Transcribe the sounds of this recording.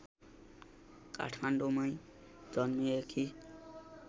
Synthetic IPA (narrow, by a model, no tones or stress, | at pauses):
ka̰ʈʰmanɖomʌj̃ | d͡zʌnmiekʰi